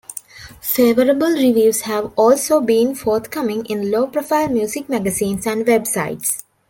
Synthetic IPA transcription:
feːʋəɾəbəlɾiʋjuːshæʋɔːlsoːbĩːnfɔːɾt̪kʌmɪ̃ŋɡɪ̃nloːpɾɔfaɪlmjuːsik̚mæɡəsĩːnsæ̃ɳɖʋebsa̰ɪʈs

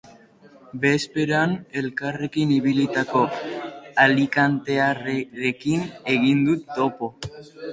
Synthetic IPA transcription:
be̞spe̞ɾane̞lkare̞kiniβilit̪ako̞ | alikant̪e̞areɾe̞kine̞ɣind̪ut̪ːo̞po̞

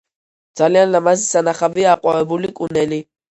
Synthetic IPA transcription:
d̪z̥alianlamazisanaχaviaːqʼwavɛbulikʼunɛli

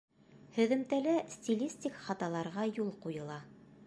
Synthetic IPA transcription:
hɵ̆ðɘ̆mt̪ælæsʲt̪ʲilʲisʲtʲikχɑt̪ɑlˠɑɾʁɑjulˠqujɤ̆lˠɑ

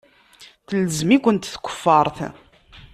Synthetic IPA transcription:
θələzmikʷənt̪θkʷːə̥fːɑɾˤθ

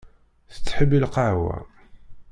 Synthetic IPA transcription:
θə̥t͡sːħəbːilqaʕwæ̰

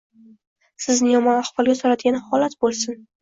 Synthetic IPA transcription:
sɪznɪjɒmɒnahvɒlˠɡʲasoɾad̪ɪɡʲanɪhɒlat̪bolˠsɪn

